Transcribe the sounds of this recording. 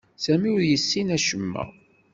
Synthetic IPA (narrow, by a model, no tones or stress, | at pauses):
sæmiʊɾjəsːinæʃəmːæ̰